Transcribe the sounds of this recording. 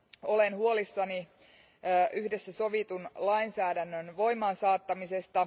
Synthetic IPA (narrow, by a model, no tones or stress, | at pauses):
olenhuolisːɑniː | ʔyhdesːæso̞ʋit̪unlɑinsæːdænːønʋo̞imɑːnsɑːt̪ːɑmisest̪ɑ